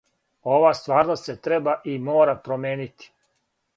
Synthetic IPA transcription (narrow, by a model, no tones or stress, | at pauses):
o̞ʋast̪ʋaːɾnost̪se̞t̪ɾebaʔimoːɾapɾomeːnit̪i̥